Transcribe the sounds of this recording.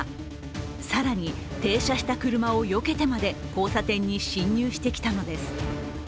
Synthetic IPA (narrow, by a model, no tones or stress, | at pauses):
saɾaɲ̟i | t̪e̞ːɕaɕi̥t̪akɯ̟ɾɯ̟mao̞jo̞ke̞t̪e̞mad̪e̞ko̞ːsat̪ẽ̞ɲ̟ːiɕĩɲːɨːɕi̥t̪e̞kʲi̥t̪ano̞d̪e̞sɨ̥